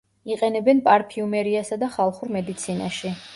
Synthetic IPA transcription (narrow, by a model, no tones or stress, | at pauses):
iqʼɛnɛbɛnpʼaɾpʰiumɛɾiasad̪aχalˠχuɾmɛd̪it̪sʰina̰ʃi